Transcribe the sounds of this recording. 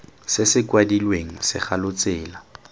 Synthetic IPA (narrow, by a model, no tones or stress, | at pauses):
sɪsɪkwadilweŋ̩sɪ̰χalʊt͡sɪːla